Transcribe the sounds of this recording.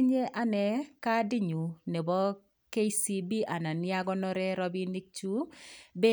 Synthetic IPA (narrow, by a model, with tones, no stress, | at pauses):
ɲe˦ʔa˨nɛ˨ka˦dɪ˦ɲu˨ne˨bɔ˦ | ke˦si˦bi˦ʔa˨na˨nɪ˦a˦ɡɔ˦nɔ˦ɾɛ˦ɾɔ˦bi˦ni˦k̚t͡ʃu˦be˦